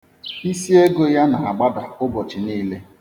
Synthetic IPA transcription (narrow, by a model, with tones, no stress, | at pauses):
i˦si˦e˦ɡo˦ja˦na˨a˨ɡ͡ba˦da˨ʊ˦bɔ˨t͡ʃɪ˨niː˦le˦